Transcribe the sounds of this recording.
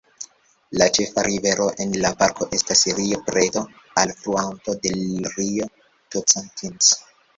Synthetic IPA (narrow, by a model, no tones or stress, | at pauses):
lat͡ʃe̞faɾʔive̞ɾoʔe̞nlapaɾkʰo̞ʔe̞stasɾiopɾeto̞ | alfɾuanto̞de̞lɾio | tot͡santʰins